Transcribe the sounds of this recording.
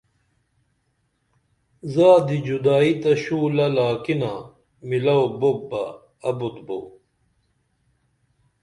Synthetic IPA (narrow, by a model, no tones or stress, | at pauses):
zaːd̪id͡ʑud̪aːit̪ɐɕuːlɐlaːkina | milɐwbobːɐː | but̪bow